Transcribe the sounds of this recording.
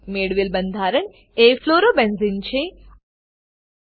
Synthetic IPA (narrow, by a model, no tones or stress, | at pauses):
meɽʋilbənd̪ʱaɾəɳ | efloɾobẽnzint͡ʃʰe